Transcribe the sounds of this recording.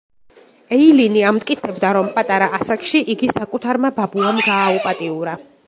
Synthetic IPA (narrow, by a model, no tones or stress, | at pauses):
ɛiliniamt̪ʼkʼit̪sʰɛbd̪aɾɔmpʼat̪ʼaɾaʔasakʼʃiʔiɡisakʼut̪ʰaɾmababuamɡaːupʼat̪ʼiuɾa